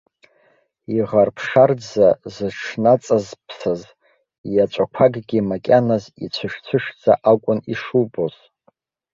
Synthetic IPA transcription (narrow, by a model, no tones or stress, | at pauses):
iʁarpʰʂard͡zazɨʈ͡ʂʰnat͡sʼazpʰsaz | jat͡ʃʷʼakʷʰaɡɡʲimakʲʼanazḭt͡ɕʷʰɨʃᶣt͡sʷʰɨʃd͡za̰ʔakʷʼʊniʂuboz̥